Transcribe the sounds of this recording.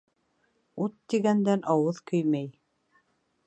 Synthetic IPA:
ut̪ːiɡænd̪ænʔɑwɤðkɵ̆jmæj

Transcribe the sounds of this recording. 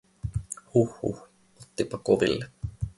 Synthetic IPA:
huhːṵh | ot̪ːipɑkoʋḭlːe

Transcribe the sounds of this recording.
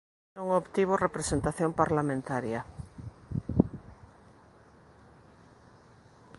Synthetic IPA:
nõŋopt̪iβ̞orepɾesent̪aθjõmpaɾlamẽnt̪aɾja

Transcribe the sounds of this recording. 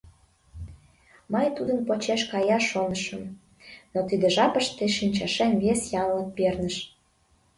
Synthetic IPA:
mɤjt̪ud̪ənpot͡ɕeʃkɑjɑʃonəʃəm | not̪id̪ĕʒɑpəʃt̪eʃinʲt͡ɕɑʃenβesjɑnlək̚pernəʃ

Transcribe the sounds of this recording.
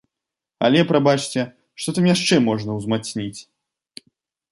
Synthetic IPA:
ɐ̰lʲɛpɾabat͡ʂt͡sʲɛ | ʂt̪ɔt̪amjaʂt͡ʂɛmɔʐnɐwzmat̪snʲit͡sʲ

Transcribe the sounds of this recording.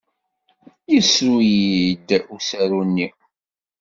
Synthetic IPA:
jisujid̪usæɾunːi

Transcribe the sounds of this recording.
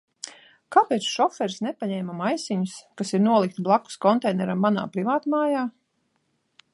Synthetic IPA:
kaːpɛːt̪sʃɔfɛɾsnɛpaɲɛːmamajsiɲuskasiɾnuɔlˠik̚t̪blˠaku̥skɔnt̪ɛjnɛɾamːana̰ːpɾivaːt̪maːjaː

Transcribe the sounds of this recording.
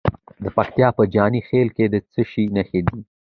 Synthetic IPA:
d̪əpakt̪jɑpəd͡ʒɑnixelked̪ət͡səʃinəxed̪i

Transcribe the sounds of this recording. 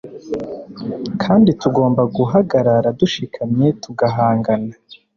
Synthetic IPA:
kʰaːndituɡo̞ːmbaɡuɦaɡaɾaɾaduʃikʰamɲe̞tuɡaɦaːŋɡana

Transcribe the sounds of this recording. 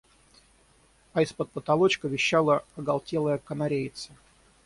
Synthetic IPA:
ɐɪspət̪̚pət̪ɐlˠot͡ɕkəvʲɪɕːalˠəɐɡɐlˠtʲelˠəjəkənɐɾʲejɪt̪sə

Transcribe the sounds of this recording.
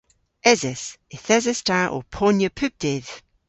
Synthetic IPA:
ɛzɛsɪθɛzɛstaʔɔ̰pʰɔnjəpʰʉp̚d̥ɪð̥

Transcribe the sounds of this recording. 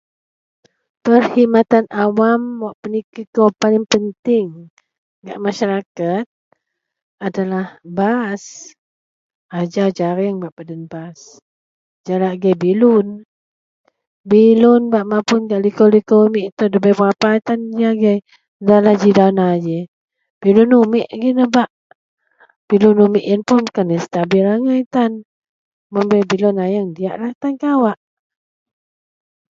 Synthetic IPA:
pərhimat̪anʔawamwaʔpənikikopalɪŋpənt̪ɪŋ | ɡa̰ʔmaʃaɾakat̪̚ | adalahbas | ad͡ʒawd͡ʒaɾɛŋbaʔpadənbas | d͡ʒalaʔɡajbilʊn | bilʊnbaʔmapʊnɡaʔlikolikomiʔt̪ədəbabapat̪and͡ʒiaɡaj | dalad͡ʒidawnad͡ʒe | b̥ilunumiʔɡinəbaʔ | b̥ilunumiʔjənpʊnkanist̪abilaŋajt̪an | məmbɛbilunajaŋdia̰ʔlaht̪ankawaʔ

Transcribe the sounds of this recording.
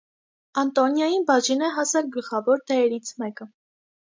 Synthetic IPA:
ɑnt̪ɔnjɑjinbɑʒinɛɦɑsɛlɡəlχɑvɔɾt̪ɛɛɾit͡sʰmɛkə

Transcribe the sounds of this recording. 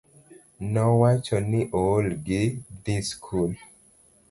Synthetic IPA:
nɔwat͡ʃɔniʔolɡɪd̪iskʰul

